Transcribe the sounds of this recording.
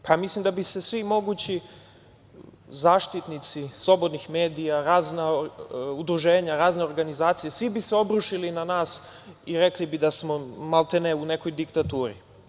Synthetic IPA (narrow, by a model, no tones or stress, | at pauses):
pʰamislimd̪abise̞sʋimo̞ɡut͡ɕi | zaːʃt̪it̪nit̪sislˠo̞bo̞d̪nixme̞ːd̪ijaɾaːznaud̪ɾuʒe̞ːɲaɾaːzneoɾɡanizaːt̪sijesʋibiseo̞bɾuʃilinanaːs | iɾe̞klibid̪asmo̞malˠt̪eneune̞ko̞jd̪ikt̪at̪uːɾḭ